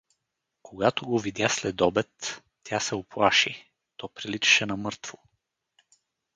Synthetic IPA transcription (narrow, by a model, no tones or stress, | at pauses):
kʰoɡat̪oɡovid̪ʲjaslɛd̪ɔbɛt̪ːʲ | jasɛʊplˠaʃi | t̪ɔpɾilit͡ʃɛ̥ʃɛnɐmɤɾt̪vo